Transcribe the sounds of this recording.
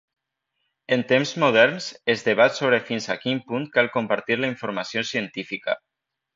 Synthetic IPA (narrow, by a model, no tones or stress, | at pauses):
ent̪emzmoð̞ɛɾnsezðeβ̞at̪soβ̞ɾefinzakimpuŋkalˠkompaɾt̪iɾlaiɱfoɾmasiosiənt̪ifika̰